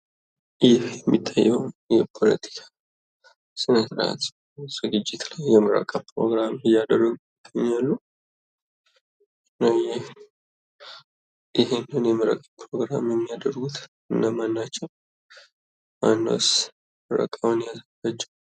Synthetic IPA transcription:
jɪhjɛmːit̪ʰʼːajːɛwjɛpʰo̞lə̰t̪ʰi̥kʰḁ | sɨnəsɾa̰t̪ | z̥ɨɡɨd͡ʒːɪt̪lajːɛmɨɾə̰kʼapʰɾo̞̰ɡɾamɨjad̪ərːəɡujɪɡ̪̥aɲːalːu | ɨnnːawjɪ | ʔɪhenːɨnjɛmɨɾə̰kʼəpʰɾo̞ɡɾa̰mjɛmːijad̪ərɡut̪ | ɨnːamanːat͡ʃːɛw | ma̰nːə̰s | ɾə̰kʼawnjaskat͡ʃːɛw

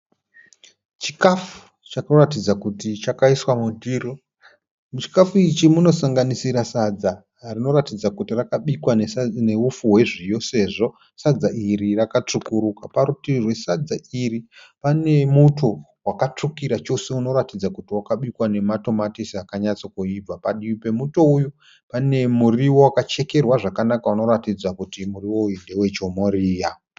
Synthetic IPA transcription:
t͡ʃi̥kafu̥ | t͡ʃakoratid͡zakutit͡ʃakaiswamudʱiːro | mut͡ʃi̥kafuit͡ʃimuno̞saŋɡanisiɾasad͡za | rino̞ratid͡zakutirakaɓikwanene̞ufuɦwe̞ʐijo̞se̞ːʐo̞ | sad͡zaʔiɾirakat͡ʂukuɾukapaɾutirwe̞sad͡zairi | pane̞mutʰo | wakat͡ʂukiɾat͡ʃo̞se̞uno̞ɾatid͡zakutiwakaɓikwane̞mato̞matisiakaɲat͡sokuib͡vapaɗiipe̞muto̞uju | pane̞muriwo̞wakat͡ʃe̞ke̞rwaʐakanakauno̞ɾatid͡zakutimuriwo̞jinde̞we̞t͡ʃo̞moɾiːja

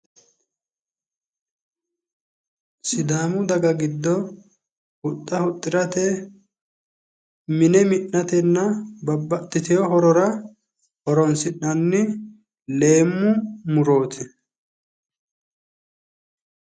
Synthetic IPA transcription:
sɪd̪aːmʊd̪ɐɡɐɡɪd̪ːɔ | hʊt̪ʼːɐhʊt̪ʼːɪɾɐt̪ɛ | mɪnɛmɪnːɐt̪ɛnːɐbɐbːɐt̪ʼːɪt̪ɛjɔɦɔɾɔɾɐ | hɔɾɔnsɪnːɐnːɪ | le̞ːmːʊmʊɾo̞ːt̪ʰɛ

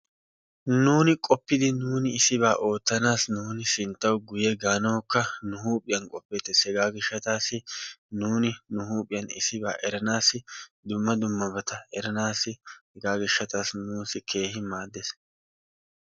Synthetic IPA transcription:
nuːnɪkʼɔpːɪd̪ɪnuːnɪɪsɪbaːʔo̞ːt̪ːɐnaːsnuːnɪsɪnt̪ːɐwɡʊjɛɡaːnɐwkːɐnʊhuːpʼːɪjɐnkʼɔpːɛt̪ːɛshɛɡaːɡɪʃːɐt̪aːsɪnuːnɪnʊhuːpʼɪjɐnɪsɪba̰ːʔɛɾɐnaːsɪd̪ʊmːɐd̪ʊmːɐbɐt̪ɐɛɾɐnaːsɪhɛɡaːɡɪʃːɐt̪aːsnuːsɪkʰe̞ːhɪmaːd̪ːes

